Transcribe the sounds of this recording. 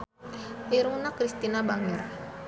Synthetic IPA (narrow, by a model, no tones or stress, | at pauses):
ʔiɾunakɾist̪inabaŋir